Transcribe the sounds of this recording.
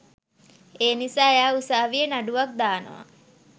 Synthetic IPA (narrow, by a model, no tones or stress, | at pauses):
eːnisaːjaːusaːʋiənaɖuʋak̚d̪aːnə̰ʋa̰